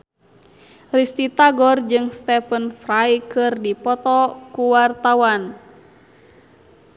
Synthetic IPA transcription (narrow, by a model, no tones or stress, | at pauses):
rist̪it̪aɡɔrd͡ʒɨŋst̪ɛfənfɾajkɨrdipɔt̪ɔkuwart̪awan